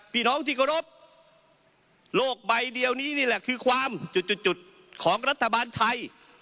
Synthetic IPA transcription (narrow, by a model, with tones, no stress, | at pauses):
piː˧˩nɔː˦˥˩ŋt̪ʰiː˧˩kʰa˧ɾo˦˥p̚ | loː˥˩k̚ba˧jdi˧əwniː˦˥˩niː˥˩lɛ˨˩kʰɯː˧kʰwaː˧mt͡ɕu˨˩t̪̚t͡ɕu˨˩t̪̚t͡ɕu˨˩t̪̚ | kʰɔː˩˦ŋɾa˦˥t̪ʰːa˧baː˧nt̪ʰa˧j